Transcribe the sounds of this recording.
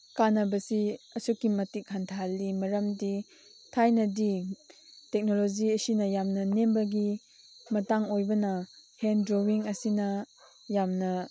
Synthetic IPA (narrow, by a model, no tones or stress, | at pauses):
kanɐbɐsiɐsukːimɐtik̚hantʰalimɐɾɐmdi | tʰajnɐdi | tek̚nolod͡ʒiɐsinɐjamnɐnembɐɡi | mɐtaŋojbɐnɐhendɾowiŋɐsinɐ | jamnɐ